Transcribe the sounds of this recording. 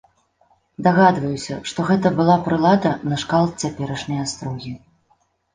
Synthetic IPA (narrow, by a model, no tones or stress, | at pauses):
d̪aɣad̪vɐjusʲɐʂt̪ɔɣɛt̪ɐbɨlˠapɾɨlˠad̪ɐnɐʂkalˠt̪̚t͡sʲapʲɛɾɐʂnʲɐjast̪ɾɔɣʲi